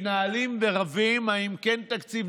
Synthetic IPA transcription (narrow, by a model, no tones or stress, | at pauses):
naːlimveʁavimaimkent̪akt͡siv